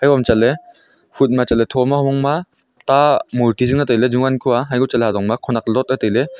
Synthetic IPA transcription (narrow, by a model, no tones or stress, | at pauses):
ajɔmt͡ʃale | hʰut̚mat͡ʃaletʰɔmahɔmɔŋma | tamultizɯŋnatajled͡ʒuŋankʰuwaɦajɡut͡ʃaleɦadɔŋmakʰɔnak̚lɔt̚natajle